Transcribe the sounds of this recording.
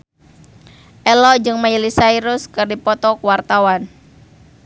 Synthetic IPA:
ʔɛlɔd͡ʒɨŋmajilisaiɾʊskɨrdipɔt̪ɔkuwart̪awan

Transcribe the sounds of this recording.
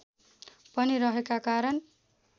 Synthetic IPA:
pʌniɾʌɦekakaɾʌn

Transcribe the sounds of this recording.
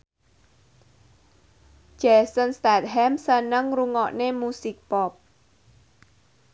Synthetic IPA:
ʒ̥ɛsənst̪at̪̚ɦɛmsənəŋruŋɔʔnemusik̚pɔp̚

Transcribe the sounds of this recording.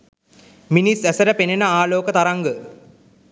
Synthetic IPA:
minisæsəɾəpenenəaːloːkət̪aɾaŋɡə

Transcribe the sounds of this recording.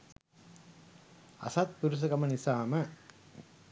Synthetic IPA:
ɐ̰sɐt̪̚puɾus̬ɐkɐmɐnisaːmə

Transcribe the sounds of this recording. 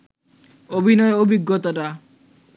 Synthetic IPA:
obʱinɔeobʱiɡːot̪̬oʈa

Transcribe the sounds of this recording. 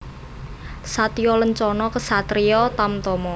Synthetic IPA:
sat̪iɔləɲt͡ʃɔnɔkəsat̪ɾijɔt̪amt̪ɔmɔ

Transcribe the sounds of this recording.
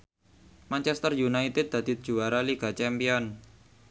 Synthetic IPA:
mant͡ʃɛst̪ərjunait̪ɪd̪̚d̪a̤d̪̥it̪̚d͡ʒ̥uaɾaliɡ̥a̤t͡ʃɛmpiɔn

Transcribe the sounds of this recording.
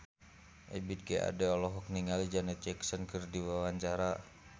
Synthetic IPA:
ʔɛbit̪̚ɡɛa̰dɛɔlɔɦɔk̚niŋalid͡ʒanɛt̪d͡ʒɛksɔnkɨrdiwawaɲt͡ʃaɾa

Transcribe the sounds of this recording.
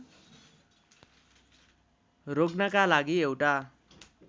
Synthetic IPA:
roɡnʌkalaɡiewʈa

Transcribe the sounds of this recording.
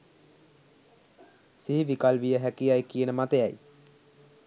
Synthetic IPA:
siɦiʋikalʋijəɦækijajkijənəmat̪ejaj

